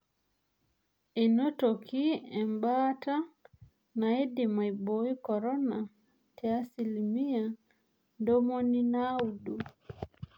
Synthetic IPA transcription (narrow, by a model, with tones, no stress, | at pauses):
e˨no˦to˨ki˦ɛ˨mba˦ta˦ | na˨e˦di˨ma˨i˨bo˦i˦kɔ˨ɾɔ˦na˨ | tʰɛ˨a˦si˨limi˦a˨ | ndo˦mo˦ni˦na˦u˨du˨